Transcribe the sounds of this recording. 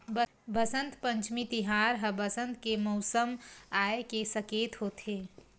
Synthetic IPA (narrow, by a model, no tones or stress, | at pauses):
b | bəsə̃nt̪pə̃ɲt͡ʃmit̪ɪɦaːɾɦəbəsə̃nt̪kemɔʊsəmaːekesɐkeːt̪ɦoːt̪eː